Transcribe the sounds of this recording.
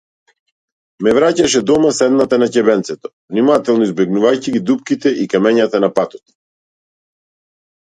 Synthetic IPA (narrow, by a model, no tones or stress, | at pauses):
mɛvɾacaʃɛd̪ɔmasɛd̪nat̪anacɛbɛnt̪sɛt̪ɔ̥vnimat̪ɛlˠnɔizbɛɡnuvajciɡid̪up̚kit̪ɛʔikamɛɲat̪anapat̪ɔt̪